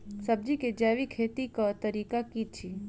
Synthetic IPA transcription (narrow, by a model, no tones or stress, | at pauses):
səb̚d͡ʒiked͡ʒaʋikʰet̪ikat̪əɾikakit͡ʃʰi